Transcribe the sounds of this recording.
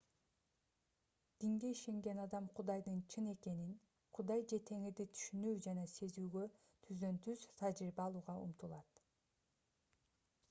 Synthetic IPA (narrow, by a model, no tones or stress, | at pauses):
d̪̥iŋɡe̞iʃe̞ŋɡe̞nɑd̪ɑmqʰud̪ɑjd̪ɯnt͡ʃʰɯne̞ke̞nin | qʰud̪ɑjd͡ʒe̞t̪ʰe̞ŋid̪it̪ʰy̥ʃynyːd͡ʒɑnɑse̞zyːɡø̞ | t̪ʰyzd̪ø̞nt̪ʰyzt̪ʰɑd͡ʒɾiɾbɑːlˠuːʁɑṵmt̪ulˠɑt̪